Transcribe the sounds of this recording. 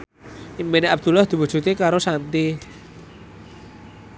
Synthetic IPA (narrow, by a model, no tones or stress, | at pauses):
imbeneab̚d̪̥ṳlahd̪̥i̤wu̥d͡ʒ̥ṳt̪ikaɾosant̪i